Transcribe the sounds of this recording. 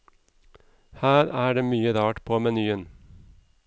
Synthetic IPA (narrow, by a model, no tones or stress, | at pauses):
hæːɾæːɖeːmyːəɾɑːʈpʰoːmɛnyːən